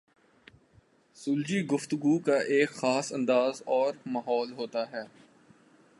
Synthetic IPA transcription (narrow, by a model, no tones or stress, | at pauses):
sʊːld͡ʒiɡʊft̪ʊɡukaʔeːkxaːsɐ̃nd̪aːzɔːɾmaːɦɔːlɦoːt̪aɦɛː